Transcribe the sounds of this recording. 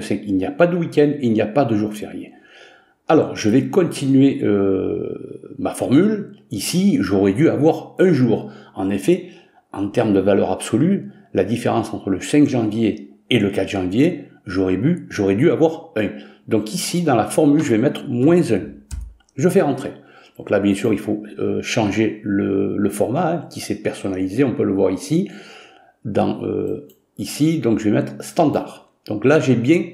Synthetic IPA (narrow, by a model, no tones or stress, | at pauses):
əsɛkilniapad̪əwikʲɛnd̪ilnijapad̪əʒuʁfḛʁjḛ | alɔ̰ʁʒəvɛkɔ̃t̪ʰinɥeø̰ | mafɔʁmylisiʒoʁɛd̪yavwaʁɛ̃ʒuːʁɑ̃nefɛ | ɑ̰̃t̪ɛʁmd̪əvalœʁabsɔly | lad̪ifeʁɑ̃sɑ̃t̪χələsɛ̃kʒɑ̃vje | eləkat̪χʒɑ̃vjeʒoʁɛbyʒɔʁɛd̪yavwaʁɛ̃ | d̪ɔ̃kisid̪ɑ̃lafɔʁmylʒəvɛmɛt̪χmwɛ̃zɛ̃ | ʒəfɛʁɑ̃t̪χe | d̪̥ɔ̃klabjɛ̃syʁilfoø̰ʃɑ̃ʒelələfɔʁmaɛ̃kʲisɛpɛʁsɔnalizeɔ̃pøləvwaʁisi | d̪ɑ̃ʔø̰ | isid̪ɔ̃kʒəvɛmɛt̪χst̪ɑ̃d̪a̰ʁ | d̪̥ɔ̃klaʒebjɛ̃